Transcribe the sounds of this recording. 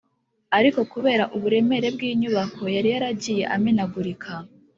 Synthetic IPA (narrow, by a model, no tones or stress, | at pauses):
aɾiko̞kuβe̞ːɾaʔuβuɾe̞me̞ɾe̞bɡiːɲuβako̞jaɾijaɾaɟiːje̞ʔamenaɡuɾikʰa